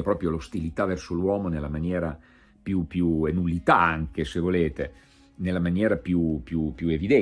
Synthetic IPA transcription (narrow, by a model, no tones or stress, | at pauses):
epɾɔːpɾjolost̪ilit̪avɛrsolwɔːmonelːamanjɛːɾa | pjupjuenulːit̪aaŋk̟esevoleːt̪e | nelːamanjɛːɾapjupjupjuevid̪ɛ